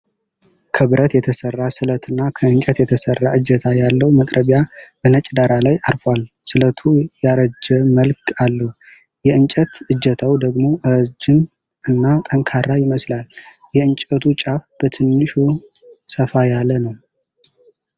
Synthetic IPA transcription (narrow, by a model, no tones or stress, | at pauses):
kʰəβɨɾʔət̪jɛt̪ʰəsərːasɨlət̪ʰɨnːakʰəɨɲt͡ʃʼət̪jɛt̪ʰəsərːaʔɨd͡ʒət̪ʰajalːəwmək̪ʼɾəβjabənət͡ʃʼd̪aɾalajʔaɾfwal | sɨlət̪ʰujaɾəd͡ʒɛməlkʰalːəh | jɛɨnt͡ʃʼət̪ɨd͡ʒət̪ʰawd̪əɡmo̞ʔɨɾəd͡ʒɪm | ɨnːat̪ʼəŋkʰaɾajɪməslal | jɛɨnt͡ʃʼət̪ʰut͡ʃʼafb̥ət̪ʰɨnːɨʃusəfajalːənəw